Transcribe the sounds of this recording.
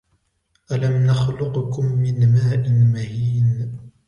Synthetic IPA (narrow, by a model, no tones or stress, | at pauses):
ʔalamnaxlʊqkʊmːɪnmaːʔɪnmahiːn